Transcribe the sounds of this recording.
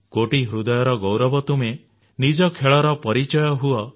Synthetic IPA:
koʈiɦɾud̪ɔjɔɾɔɡɔwɾɔbɔt̪ume | nid͡ʒɔkʰeɭɔɾɔpɔɾit͡ʃɔjɔɦuɔ

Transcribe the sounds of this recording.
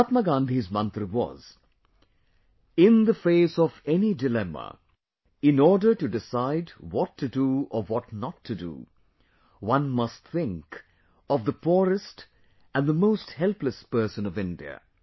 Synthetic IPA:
at̪̚məɡãːnd̪ʱizmʌ̃nt̪ɾɨwɔ̰z | ɪ̃nðəfeɪsɔvɛnidɨlɛmə̰ | ɪ̃nɔɹdə˞tɨdɪsaɪdwɔtʰːɨduəwɔtnətʰːɨdṵ | wʌ̃nmʌstθɪ̃ŋk | ʌvðəpʰuɹɨst | ʔæ̃nðəmoʊst̚hɛlpləspɜ˞sɨ̃nʌvɪ̃ndiɨ̰

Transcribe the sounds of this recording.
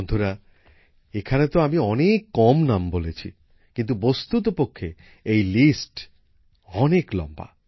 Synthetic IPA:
ond̪ʱoɾa | ekʰanet̪oamiɔnekːɔmnambolet͡ɕʰḭ | kint̪̬ubost̪ut̪̬opokʰːe | ejlisʈ | ɔneklɔ̰mba̰

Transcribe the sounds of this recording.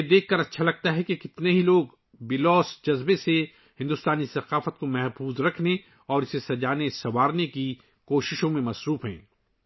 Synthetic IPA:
ed̪eːkʰːɐɾɐtːʃʰalɐɡ̚t̪aɦɛkekɪt̪neɦiloːɡ | bɪlɔːsd͡ʒɐzbese | hɪ̃nd̪ʊst̪aːnisɐqaːfət̪̚komɛɦfuːzɾɐkʰne | ɔːɾɪsesɐd͡ʒaːnesɐʋaːɾneki | koːʃɪʃõmẽmɐsɾuːfɦɛ̰̃ː

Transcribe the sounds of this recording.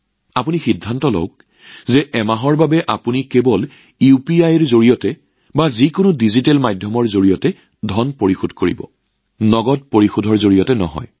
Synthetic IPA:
apunixidʱːantɔlo̰ʊk̚ | zɛʔɛmaɦɔɹbabɛʔapunikebɔl | iupiajɛɹzoɹijɔtɛ | bazikʊnʊdizitɛlmajdʱjɔmɔɹzoɹijɔtɛ | dʱɔnpoɹixudʱkoɹḭbɔ̰ | nɔɡɔt̚poɹixudʱɔɹzoɹijɔtɛnɔ̰ɦɔ̰j

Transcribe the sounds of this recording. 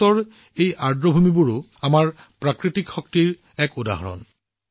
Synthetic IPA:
ɔɹ | ejʔaɹdɹɔbʱumibuɹʊ | amaɹ | pɹakɹitikxɔk̚tiɹ | ɛkuda̰ɦɔ̰ɹɔ̰n

